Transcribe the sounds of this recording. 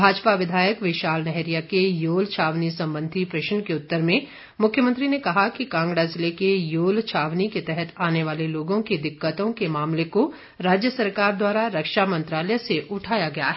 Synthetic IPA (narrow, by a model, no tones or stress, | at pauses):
bʱaːd͡ʒpaʋɪd̪ʱaːjəkʋɪʃaːlnɛɦɾijakejoːlt͡ʃʰaːʋnisɐ̃mbə̃nd̪ʱipɾɪʃənkeʊt̪ːəɾmẽ | mʊkʰjəmə̃nt̪ɾinekɐɦakikãːŋɡɽaːzɪlekejoːlt͡ʃʰaːʋniket̪ɛɦɛt̪ʰaːneʋaːleloːɡõked̪ɪkːət̪õkemaːmleko | ɾaːd͡ʒjəsɐɾkaːɾd̪waːɾaɾɐkʃamɐ̃nt̪ɾaːlɛjseʔʊʈʰaːjaɡɐja̰ɦɛ